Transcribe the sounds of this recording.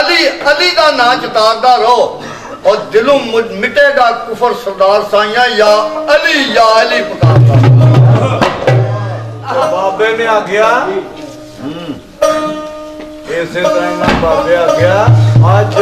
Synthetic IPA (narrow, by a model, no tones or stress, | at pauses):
liːəliːɗaːnãːt͡ʃət̪aːɾd̪aːɾoː | ɔːɾd̪ɪlũːmɪʈeːɗaːkʊfʰəɾsəɾd̪aːɾsãːɪ̃jãːjaːəliːjaːəliːpəkaːɾd̪aːɾoːoː | abaːbeːnẽaːɡɪjaː | eːsẽːt̪aĩːnãːbaːbeːaːɡɪjaːaː